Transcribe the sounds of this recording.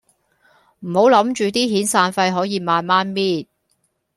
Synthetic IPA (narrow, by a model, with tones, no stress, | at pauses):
m̩˨˩ho˨˥wlɐ˨˥mt͡ʃyː˨˧t̪iː˥ɦiː˨˥nsaː˧nfɐ˧jɦɔː˨˥jiː˨˧maː˨nmaː˥nmiː˥t̚